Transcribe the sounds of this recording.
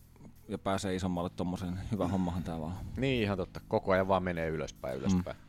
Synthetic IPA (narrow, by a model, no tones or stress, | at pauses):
jɑpæːseːisomːɑlːet̪t̪omːoseːnhyʋæhomːɑhɑnt̪æːʋɑːniːihɑnt̪ot̪ːɑkokoɑˑjɑʋʋɑːmmeneːylø̰spæ̰ḭy̰lø̰spæ̰i